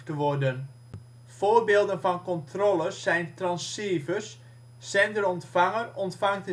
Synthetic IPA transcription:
təʋɔrdən | v̥oːrbeːlˠdənvɑnkɔntrɔləsːɛjntrɑnseːvəs | sɛndərɔntfaŋərɔntfaŋtə

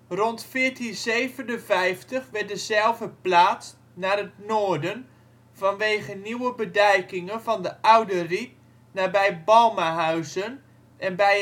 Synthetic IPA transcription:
rɔntfɪːtinzejvənənvɛjftəχʋɛrt̚dəzɛlˠvəplaːs | naːrətnoːrdən | vɔnʋeːχəniwəbədɛjkɪŋənvɑndəʔawdərit̚ | naːbɛjbɔlˠmaɦœɥzən | ɛnbɛj

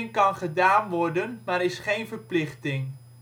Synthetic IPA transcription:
ŋkɑnχədaːnʋɔrdənmaːɾɪsχejnvərplɪχtɪŋ

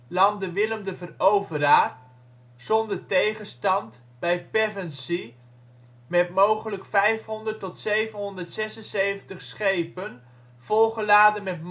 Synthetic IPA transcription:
lɑndəʋɪləmdəvərowvəɾaːr | z̥ɔndəɹtejχənstɑnt | bɛjpɛvɛnsi | mɛtmowχələkfɛjfɦɔndərtɔtsejvənɦɔndəɹtsɛsənsejvəntəχsχejpən | v̥ɔlˠχəlaːdənmɛtm

